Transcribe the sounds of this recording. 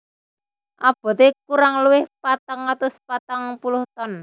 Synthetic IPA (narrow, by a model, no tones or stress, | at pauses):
ʔab̥ɔ̤t̪ekuɾaŋluwɪhpat̪aŋat̪ʊspat̪aŋpulʊht̪ɔn